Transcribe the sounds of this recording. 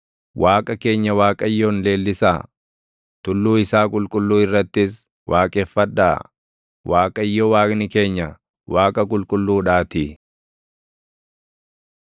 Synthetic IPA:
waːkʼɐke̞ːɲːɐwaːkʼɐjːoːnle̞ːlːɪsa̰ː | t̪ʊlːuːɪsaːkʼʊlkʼʊlːuːɪrːɐt̪ːɪs | wʔaːkʼefːɐd̪ːa̰ː | wʔaːkʼɐjːɔwaːknɪke̞ːɲːɐ | waːkʼɐkʼʊlkʼʊlːuːᶑaːt̪ɪ

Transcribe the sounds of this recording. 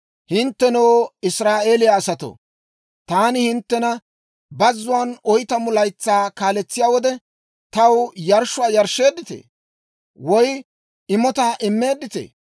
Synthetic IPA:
hɪnt̪ːɛnɔwɪsɾaːʔe̞ːlɪjaːsɐt̪o̰ | t̪aːnɪhɪnt̪ːɛnɐ | bɐzːʊwaːnɔjt̪ɐmʊlɐjt͡sːaːkaːlɛt͡sːɪjaːwɔd̪ɛ | t̪ɐwjɐɾʃːʊaːjɐɾʃːe̞ːd̪ɪt̪ḛː | wɔj | ɪmɔt̪aːʔɪmːe̞ːd̪ːɪt̪ḛː

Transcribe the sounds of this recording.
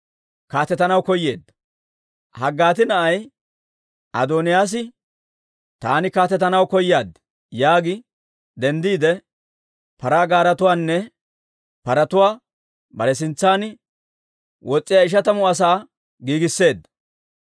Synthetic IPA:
kaːt̪ːɛt̪ɐnɐwkɔjːe̞ːd̪ːɐ | hɐɡːaːt̪ɪnɐʔɐj | ɐ̰d̪oːnɪjaːs̬ɪ | t̪a̰ːnɪkaːt̪ːɛt̪ɐnɐwkɔjɪjaːd̪ | jaːɡɪ | d̪ɛnd̪iːd̪ɛ | pɐɾaːɡaːɾɐt̪ʊwaːnːɛ | pɐɾɐt̪ʊwaː | bɐɾɛs̬ɪnt͡sːaːn | wʔɔt͡sʼːɪjaɪʃ̬ɐt̪ɐmʊɐs̬aː | ɡiːɡɪsːe̞ːd̪ːɐ

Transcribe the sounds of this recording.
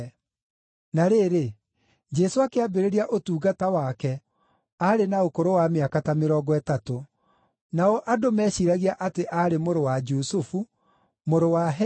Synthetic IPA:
naɾeɾe | d͡ʒɛsoakeabeɾeɾiaʔotuːɣatawakɛ | aɾenaokoɾowameakatameɾɔɡɔɛtato | naɔʔadomɛɕiɾaɣiaʔateʔaɾemoɾowad͡ʒusofu | moɾowaɦ

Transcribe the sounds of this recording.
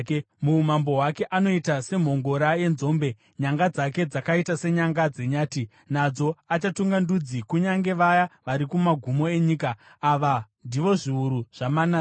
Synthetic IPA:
mumambo̞ɦwake̞ʔano̞itase̞m̤o̞ŋɡo̞ɾaje̞nzo̞ːmbe̞ | ɲaŋɡad͡zake̞d͡zakaitase̞ɲaŋɡad͡ze̞ɲaːti | nad͡zo̞at͡ʃatuŋɡandud͡zikuɲaŋɡe̞ʋajaʋaɾikumaɡʱumo̞e̞ɲiːkaː | ʋandiʋo̞ʐiuɾuʐ̥amana

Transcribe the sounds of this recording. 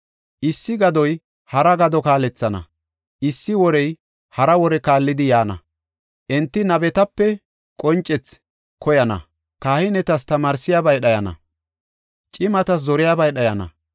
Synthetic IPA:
ʔɪsːɪɡɐd̪ɔj | hɐɾɐɡɐd̪ɔkaːlɛt͡sːɐnɐ̰ | ʔɪsːɪwɔɾɛj | hɐɾɐwɔɾɛkaːlːɪd̪ɪjaːnɐ̰ | ʔɛnt̪ːɪnɐbɛt̪ɐpːɛ | kʼɔnt͡ʃʼːɛt͡s | kʰɔjɐnɐ̰ | kaːhɪnɛt̪ɐst̪ɐmaːɾsɪjaːbɐjɗɐjɐnɐ̰ | t͡ʃʼɪmɐt̪ɐs̬zɔɾɪjaːbɐjɗɐjɐnɐ̰

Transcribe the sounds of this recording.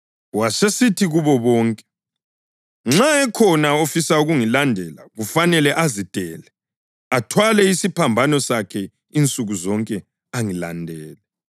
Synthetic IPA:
wasesitʰiɣuβɔβɔːŋkʼɛ̥ | ŋ͡ǁaɛkʰɔnaofisauɣuŋilandʱɛlaɣufanɛlɛʔazid̥ʱʼɛːlɛ | atʰwalɛisipʰambʱanɔsakʰɛ | int͡sʼuɣuzɔŋkʼɛ | aŋila̰ndʱɛːlɛ

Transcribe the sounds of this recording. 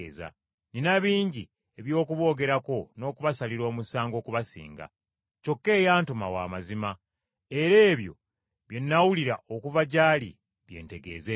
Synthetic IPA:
za̰ | ninaβiːɲɟi | e̞βjo̞ːkuβo̞ːɡe̞ɾako̞no̞ːkuβasaliɾo̞ːmusaːŋɡo̞ːkuβasḭːŋɡa̰ | co̞kːe̞ːjaːntumawa̰ːmazima | e̞ɾe̞ːβjo̞̰ | βje̞nːawuliɾa̰ʔokuvaɟaːlḭ | βje̞̰ːnte̞ɡe̞̰ːze

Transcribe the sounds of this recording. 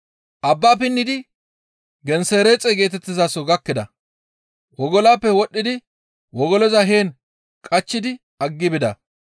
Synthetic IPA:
ʔɐbːaːpɪnːɪd̪ɪ | ɡɛnseːɾet͡sʼeɡe̞ːt̪ɛt̪ːɪzaːsɔɡɐkːɪd̪ɐ̰ | wɔɡɔlaːpːɛwɔɗːɪd̪ɪ | wɔɡɔlɔzɐɦeːn | kʼɐt͡ʃːɪd̪ɪ | ɐɡːɪbɪd̪ɐ

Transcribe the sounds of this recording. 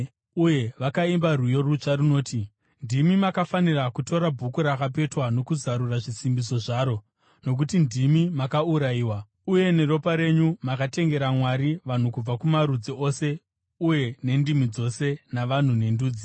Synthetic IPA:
uje̞ʋakaimbarujo̞ruʐarino̞ːti | ndimimakafanirakuto̞ɾabʱukuɾakap̬e̞twano̞kuzaɾuraʐisimbiso̞ʐaːɾo̞ | no̞k̬utindimimakauɾaiːwa | uje̞ne̞ɾo̞paɾe̞ɲumakate̞ŋɡe̞ɾamwaɾiʋan̤ukub͡vakumaɾud͡zio̞se̞ | uje̞ne̞ndimid͡zo̞se̞naʋan̤une̞nduːd͡zi

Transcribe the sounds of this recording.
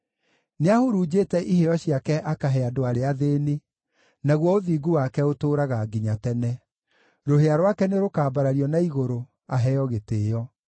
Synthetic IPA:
neahoɾuːd͡ʑeːtɛʔiheɔɕiakɛʔakaɦɛadoaɾeaðene | naɣwɔoðiːɡuwakɛotoːɾaɣaːɡiɲatɛnɛ | ɾoɦeaɾwakɛneɾokaːbaɾaɾiɔnaiɣoɾo | aɦɛɔɣeteːjɔ

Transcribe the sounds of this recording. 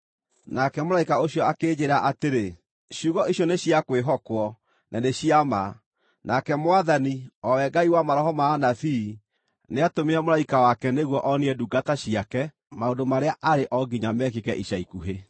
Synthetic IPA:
nakɛmoɾaikaoɕjɔakeːd͡ʑeɾaʔateɾe | ɕjuːɣɔʔiɕjɔneɕiakweɦɔkwɔ | nʔaneɕiama | nʔakɛmwaðaniɔwɛɡaiwamaɾɔɦɔmaːnaθiː | neatomeamoɾaikawakɛneɣwɔʔɔniɛduɡataɕiakɛ | maondomaɾeaʔaɾeʔɔɡiɲamɛkekɛʔiɕaikuɦe

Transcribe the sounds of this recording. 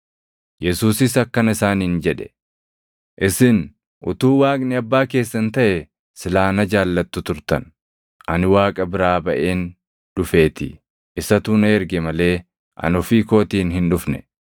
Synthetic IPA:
jɛsuːsɪsɐkːɐnɪsaːniːnd͡ʒɛᶑɛ̥ | ʔɪsɪn | ʔʊ̰t̪uːwaːkʼnɪɐbːaːk̬e̞ːsːɐnt̪ɐʔɛ | sɪlaːnɐd͡ʒaːlːɐt̪ːʊt̪ʊɾt̪ɐ̰n | ʔɐnɪwaːkʼɐbɪɾaːbɐʔe̞ːn | ᶑʊfe̞ːt̪ɪ̰ | ʔɪsɐt̪uːneːɾɡɛmɐle̞ː | ʔɐ̰nɔfiːko̞ːt̪iːnɦɪnᶑʊfnɛ

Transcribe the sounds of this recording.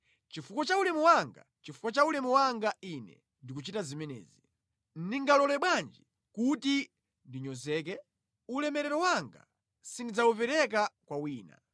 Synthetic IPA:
t͡ʃifukɔt͡ʃaulɛmuwaŋɡa̰ | t͡ʃifu̥kɔt͡ʃaulɛmuwaŋɡainɛ̰ | ndik̬ut͡ʃitazimɛnɛ̰ːzi | n̩niŋɡalɔlɛɓwand͡ʒi | kuti | ndiɲɔzɛːk̬ɛ | ulɛmɛɾɛɾɔwaŋɡa̰ | sindid͡zaupɛɾɛkakwawiːna̰

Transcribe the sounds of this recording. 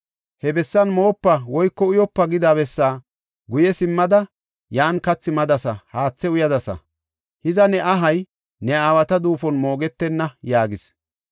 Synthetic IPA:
hɛbɛsːɐnmo̞ːpːɐwɔjkːɔʊjɔpːɐɡɪd̪aːbɛsːaː | ɡʊjɛsɪmːɐd̪ɐ | jaːnkɐt͡sːɪmɐd̪ɐsɐhaːt͡sːɛʊjɐd̪ɐsɐ̰ | hɪzɐnɛʔɐɦɐj | nɛaːwɐt̪ɐd̪uːfɔnmo̞ːɡɛt̪ːɛnːɐjaːɡɪs

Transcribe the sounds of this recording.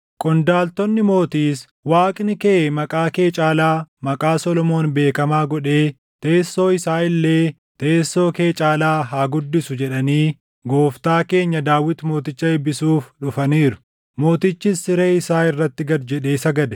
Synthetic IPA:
kʼɔnd̪aːlt̪ɔnːɪmo̞ːt̪iːs | waːkʼnɪkemɐkʼaːke̞ːt͡ʃʼaːlaːmɐkʼaːsɔlɔmo̞ːnbe̞ːkɐmaːɡɔᶑe̞ː | t̪e̞ːsːo̞ːɪsaːɪlːe̞ː | t̪e̞ːsːo̞ːke̞ːt͡ʃʼaːlaːɦaːɡʊd̪ːɪsʊd͡ʒɛᶑɐniː | ɡo̞ːft̪aːke̞ːɲːɐd̪aːwːɪt̪mo̞ːt̪ɪt͡ʃːɐɛbːɪsuːfᶑʊfɐniːɾʊ̥ | mo̞ːt̪ɪt͡ʃːɪsɪɾeːɪsaːɪrːɐt̪ːɪɡɐd̪d͡ʒɛᶑe̞ːsɐɡɐd̪ɛ̥

